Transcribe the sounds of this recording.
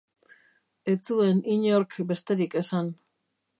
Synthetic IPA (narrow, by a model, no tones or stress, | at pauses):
e̞t͡sue̞niɲoɾkbe̞st̪e̞ɾike̞san